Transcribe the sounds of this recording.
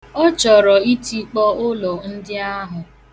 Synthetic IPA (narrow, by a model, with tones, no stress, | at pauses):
ɔ˦t͡ʃɔ˨ɾɔ˨i˦ti˦k͡pɔ˦ʊ˦lɔ˨n̩˦dɪ˦a˦ɦʊ˨